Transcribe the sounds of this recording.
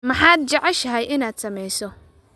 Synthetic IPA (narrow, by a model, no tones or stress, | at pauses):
mɐħaːd̪̚t͡ʃɐʕɛʃɐɦɛjɪnaːd̪sɐmɛjsɔ